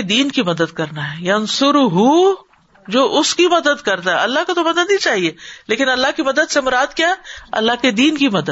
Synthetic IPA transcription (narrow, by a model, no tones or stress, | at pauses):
ed̪iːnkimɐd̪əd̪̚kɐɾnaɦɛjɐnsʊɾʊɦu | d͡ʒoːʔʊskimɐd̪əd̪kɐɾt̪aɦɛɐlːaɦkot̪omɐd̪əd̪ĩt͡ʃaːɦieːleːkɪnɐlːaɦkimɐd̪əd̪semʊɾaːd̪kjaːɦɛɐ̰lːaɦked̪iːnkimɐd̪ə